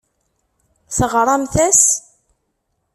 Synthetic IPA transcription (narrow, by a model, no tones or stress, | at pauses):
θəʁɾˤɑmθæs